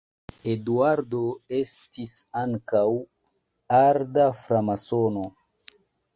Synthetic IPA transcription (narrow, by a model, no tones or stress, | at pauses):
eduaɾdo̞e̞stisaŋkaw | aɾdafɾamasono